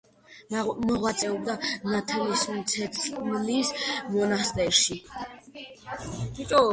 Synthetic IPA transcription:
mɔʁwat̪sʼɛɔb̚d̪anat̪ʰɛlist̪sʰɛt̪smlismɔnast̪ʼɛɾʃi | t̪ʼɔ

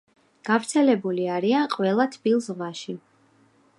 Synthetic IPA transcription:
ɡ̥avɾt̪sʰɛlɛbuliaɾianqʼwɛlˠat̪ʰbilˠsʁwaʃi

